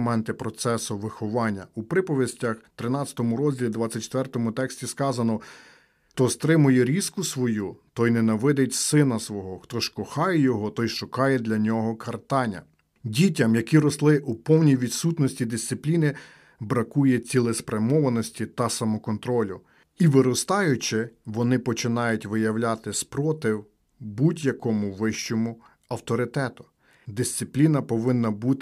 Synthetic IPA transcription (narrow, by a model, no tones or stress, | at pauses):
mɛnt̪ɪpɾɔt̪sɛsʊʋɪxɔʋɑnʲːɐ̰upɾɪpɔʋʲisʲtʲɐxt̪ɾɪnɑt͡sʲɐ̥t̪ɔmʊɾɔzʲdʲilʲid̪ʋɑt͡sʲːɐt̚ʲt͡ʃe̥t̪ʋɛrt̪ɔmʊt̪ɛksʲtʲiskɑzɐnɔ | t̪ɔst̪ɾɪmʊjɛɾʲiskʊsʋɔjut̪ɔjnɛnɐʋɛd̪ɪtʲsɪnɐsʋɔɦɔxt̪ɔʃkɔxɑjɛjɔɦɔt̪ɔjʃʊkɑjɛd̪lʲɐnʲɔɦɔkʰɐrt̪ɑnʲːɐ̰ | dʲitʲɐmjɐkʲiɾɔslˠɪʔupɔwnʲijʋʲid̪sut̪nɔsʲtʲid̪ɪsʲt̪sɪplʲinɪ | bɾɐkujɛt͡sʲilˠɪspɾɐmɔʋɐnɔsʲtʲit̪ɐsɐmɔkɔnt̪ɾɔlʲʊ | iʋɪɾɔst̪ɑjʊt͡ʃɪʋɔnɪpɔt͡ʃɪnɑjʊtʲʋɪjɐwlʲat̪ɪspɾɔt̪ɪw | budʲjɐkɔmʊʋɪʃt͡ʃɔmʊ | ɐwt̪ɔɾɪt̪ɛt̪ʊ̥ | d̪ɪsʲt̪sɪplʲinɐpɔʋɪnːɐbut̪